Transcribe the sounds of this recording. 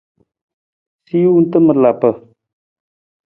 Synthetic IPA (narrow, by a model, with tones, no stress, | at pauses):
si˦juunt̪ə˦mə˨ɾla˨pə˨